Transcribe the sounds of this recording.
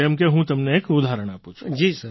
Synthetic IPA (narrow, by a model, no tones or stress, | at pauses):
jəmkeɦũt̪ɐmneeːkʊd̪ʱaːɾəɽ̃apuːt͡ʃʰd͡ʒiːsɐɾ